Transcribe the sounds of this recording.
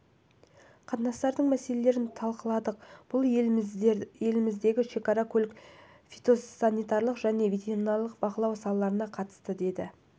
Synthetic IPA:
qʰɑt̪nɑst̪ɑɾd̪əɴmæse̞le̞le̞ɾɪnt̪ʰɑlˠqəlˠɑd̪əq̚b̥ʊlˠ | je̞lɪmɪzd̪e̞ɡʲɪʃe̞kɑɾɑkʰolʲk | fit̪o̞sanijt̪ɑɾlˠəqʒ̥æne̞vet̪ʲeɾinɑlˠəqbɑqəlˠɑwsɑlˠəlˠɑɾənɑqʰɑt̪ə̥st̪əd̪e̞d̪ɪ

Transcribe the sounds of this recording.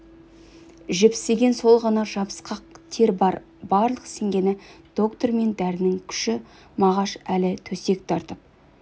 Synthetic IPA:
ʒepɪ̥st̪eɡʲe̞nso̞lˠʁɑnɑʒɑbə̥sqɑqt̪ʰe̞ɾbɑɾ | bɑɾlˠəqse̞ŋɡʲe̞nɪd̪̥o̞kt̪o̞rɾme̞nd̪æɾɪnɪŋkʲʰʏ̥ʃɪ | mɑʁɑʃælɪt̪ʰɵse̞kt̪ʰɑɾt̪əp̚

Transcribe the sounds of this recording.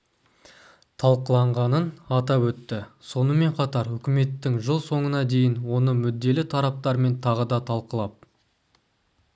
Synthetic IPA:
t̪ʰɑlˠqəlˠɑɴʁɑnənɑt̪ɑpwɵt̪ːɪso̞nəme̞ɴqʰɑt̪ɑɾʏkʲɪme̞t̪ːɪŋʒəlˠso̞ɴənɑd̪e̞jɪnwo̞nəmʏd̪ːe̞lɪt̪ʰɑɾɑp̚t̪ɑɾme̞nt̪ʰɑʁəd̪ɑt̪ʰɑlˠqəlˠɑp̚

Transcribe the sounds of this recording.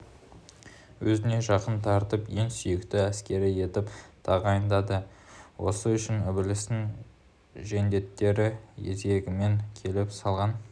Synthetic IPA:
wɵzɪne̞ʒɑqənt̪ʰɑɾt̪əpje̞ŋsʏjɪkt̪ɪæskʲe̞ɾɪje̞t̪ɪpt̪ʰɑʁɑjənd̪ɑd̪əwʔo̞̰səʏʃɪnʏbɪlɪst̪ɪŋ | ʒe̞nd̪e̞t̪ːe̞ɾɪjḛze̞ɡʲɪme̞ŋkʲʰe̞lɪpsɑlˠʁɑn

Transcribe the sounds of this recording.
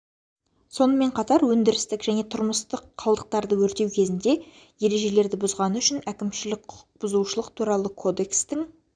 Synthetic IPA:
so̞nəme̞ɴqʰɑt̪ɑɾwɵnd̪ɪɾɪst̪ɪkʒæne̞t̪ʰʊɾməst̪əqʰːɑlˠd̪əq̚t̪ɑɾd̪əwɵɾt̪e̞wkʲʰe̞zɪnd̪e̞ | je̞ɾe̞ʒe̞le̞ɾd̪ɪbʊzʁɑnəʏʃɪnækʲɪmʃɪlɪkqʰʊq̚bʊzuʃəlˠəqt̪ʰuɾɑlˠəkʰo̞d̪e̞kst̪ɪŋ

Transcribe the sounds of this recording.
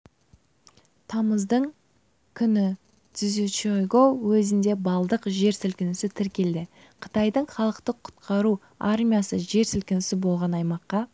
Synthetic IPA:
t̪ʰɑməzd̪əɴ | kʲʰʏnɪ | t̪ɪzet͡ʃojɡowɵzɪnd̪e̞bɑlˠd̪əqʒe̞ɾsʏlkʲɪnɪsɪt̪ʰɪɾkʲe̞ld̪ɪ | qʰə̥t̪ɑjd̪əɴχɑlˠəqt̪əqʰːʊ̥t̪qʰɑɾu | aɾmʲijasəʒe̞ɾsʏlkʲɪnɪsɪbo̞lˠʁɑnɑjmɑqːɑ

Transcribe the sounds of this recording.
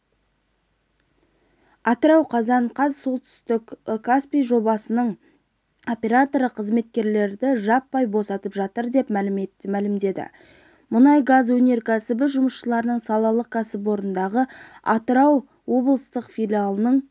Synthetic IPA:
ɑt̪əɾɑwqʰɑzɑɴqʰɑzso̞lˠt̪ʏ̥st̪ɪkkʰːaspijʒo̞bɑsənəɴ | o̞pʲe̞ɾat̪o̞ɾəqʰəzme̞t̪̚kʲe̞ɾle̞ɾd̪ɪʒɑpːɑjbo̞sɑt̪əpʒɑt̪əɾd̪e̞pmælmælɪmd̪e̞d̪ɪ̰ | mʊnɑjɡazwɵne̞ɾkʲʰæsɪbɪʒʊməsʃəlˠɑɾənəɴsɑlˠɑlˠəkʰæsɪpwo̞ɾənd̪ɑʁəɑt̪əɾɑw | wo̞bəlˠəst̪əqfʲijlʲialˠənəɴ

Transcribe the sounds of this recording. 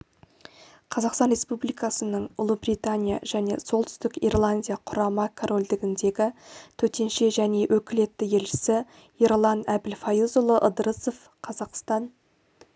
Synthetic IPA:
qʰɑzɑqst̪ɑnɾʲe̞spublijkɑsənəɴʊ̰lˠubrit̪anʲija̰ʒ̥æne̞̰so̞lˠt̪ʰʏ̥st̪ɪkḭrlˠanʲdʲijaqʰʊɾɑmɑkʰoɾʔo̞ld̪ɪɡʲɪnd̪e̞ɡʲɪt̪ʰɵt̪e̞nʃe̞ʒæne̞wʔɵkʲɪle̞t̪ːɪje̞lʃɪ̥sɪ | irlˠɑnæbɪlfajuzʊlˠəʔəd̪ɾəsof | qʰɑzɑqst̪ɑn

